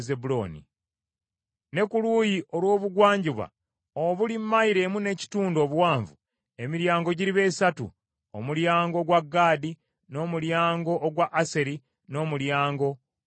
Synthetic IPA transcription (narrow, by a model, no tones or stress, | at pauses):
zebuloːnḭ | ne̞kulujiʔo̞lwo̞ːβuɡwaːɲɟiβa̰ | oβulimːaiɾe̞mune̞ci̥tuːndo̞ːβuwaːɱvu | e̞miɾjaːŋɡo̞ɟiɾiβe̞ːsatṵ | omuljaːŋɡo̞ɡwaɡːaːdi | no̞ːmuljaːŋɡo̞ʔːɡwaʔase̞ɾi | no̞ːmuljaːŋɡo̞